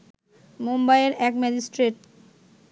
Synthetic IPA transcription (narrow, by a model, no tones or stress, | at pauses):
mombajeɾɛkmɛd͡ʑisʈɾeʈ